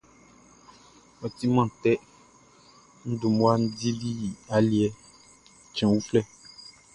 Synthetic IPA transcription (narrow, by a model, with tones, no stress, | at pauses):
ɔ˨t̪i˦mã˦t̪ɛ˦ | n̩˦du˨mũ˦a˦n̩˦di˦li˦˨a˨li˦ɛ˦ | t͡ʃɛ̃˨wu˦flɛ˦